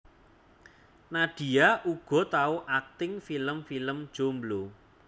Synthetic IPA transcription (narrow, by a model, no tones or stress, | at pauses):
naɖ̥i̤aʔuɡ̥ɔ̤t̪auʔak̚t̪ɪŋfiləmfiləmd̥ʒ̥omblo